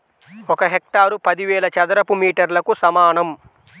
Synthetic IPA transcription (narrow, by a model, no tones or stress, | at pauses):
ɔkɐɦek̚ʈaːɾupɐd̪iʋɛːɭɐt͡ʃɐd̪ɐɾɐpumiːʈɐɾlɐkusɐmaːɳɐm